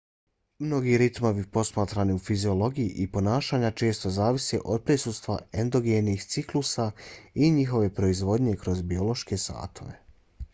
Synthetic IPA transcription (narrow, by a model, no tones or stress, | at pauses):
mno̞ɡiɾit̪mo̞ʋipo̞smaːt̪ɾaniufizio̞lo̞ɡijiʔipo̞naːʃaːɲat͡ʃe̞ːst̪o̞zaːʋiseʔo̞d̪̚pɾisust̪ʋa̰end̪o̞ɡenixt̪siklusaiɲixo̞ʋe̞pɾo̞izʋo̞d̪ɲe̞kɾo̞zbio̞lo̞ʃke̞sa̰ːt̪ʰo̞̰ʋe̞̰